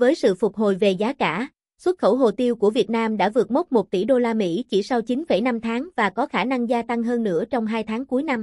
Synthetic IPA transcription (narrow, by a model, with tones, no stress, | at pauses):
vəː˨˦jsɨ̰˧˨fʊ˨˩k͡p̚ɦo˨˩jve˨˩zaː˨˦kaː˧˩ | swə˦˥t̚xə˧˩wɦo˨˩t̪i˧əwku˧˩əvi˨˩ət̚naː˧mɗa̰ː˧˥vɨ˨˩ət̚mo˦˥t̚mo˨˩t̚t̪ḭ˧˩ɗo˧laː˧mḭ˧˥t͡ɕi˧˩sa˧wt͡ɕi˨˦nfə˧˩jna˧mt̪ʰaː˨˦ŋvaː˨˩kɔ˨˦xaː˧˩na˧ŋzaː˧t̪a˧ŋɦəː˧nːɨ̰˧˥ət͡ɕɔ˧wŋ͡mɦaː˧jt̪ʰaː˨˦ŋku˨˦jna˧m